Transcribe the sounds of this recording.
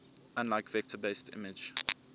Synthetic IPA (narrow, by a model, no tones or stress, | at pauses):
ãnlaɪkvɛk̚tʰəbeɪstʰɪ̰mɪd͡ʒ